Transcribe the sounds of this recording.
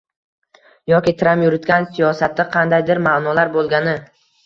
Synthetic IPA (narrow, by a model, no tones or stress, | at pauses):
jɒkʲit̪ʰɾampjʊɾɪt̪kʲansijɒsat̪ʰːɪqʰɑnd̪ajd̪ɪɾmaːnɒlaɾbolˠɡʲanɪ